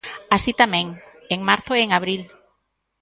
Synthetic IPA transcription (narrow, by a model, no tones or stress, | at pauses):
asit̪amɛ̃ŋ | eŋmaɾθoeŋaβ̞ɾil